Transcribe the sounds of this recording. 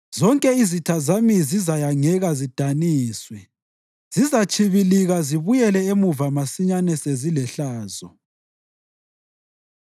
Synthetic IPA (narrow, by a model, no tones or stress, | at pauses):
z̥ɔŋkʼɛizitʰazamizizajaŋɛɣazid̥ʱaniːswɛ | z̥izat͡ʃʰʼiβiliɣaziβujɛlɛemuvamasiɲanɛsezilɛɬaːzɔ